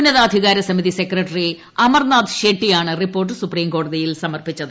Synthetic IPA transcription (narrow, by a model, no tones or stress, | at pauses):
unːɐðaːd̪ʱiɣaːɾɐsɐmiðise̞krɐʈːɐri | ɐmɐrnaːd̪ɨɕeːʈːijaːɳɨripːo̞ːrʈ̬ːɨsupriːmko̞ːɽɐðijilsɐmɐrpit͡ɕːɐðɨ